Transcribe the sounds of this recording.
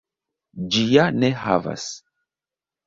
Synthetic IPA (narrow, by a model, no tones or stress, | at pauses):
d͡ʒijaneɦa̰va̰s